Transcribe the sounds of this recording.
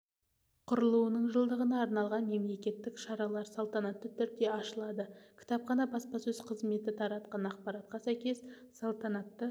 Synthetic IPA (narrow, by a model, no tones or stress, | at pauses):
qʰʊɾəlˠuənəɴʒəlˠd̪əʁənɑːɾnɑlˠʁɑnme̞mle̞kʲe̞t̪ːɪkʃɑɾɑlˠɑɾsɑlˠt̪ɑnɑt̪ːət̪ʰʏɾd̪e̞ɑʃəlˠɑd̪əkʲʰɪ̥t̪ɑp̚χqɑnɑbɑspɑsɵzqʰəzme̞t̪ɪt̪ʰɑɾɑt̪qɑnɑqpɑɾɑt̪̚qɑsæjkʲe̞s | sɑlˠt̪ɑnɑt̪ːə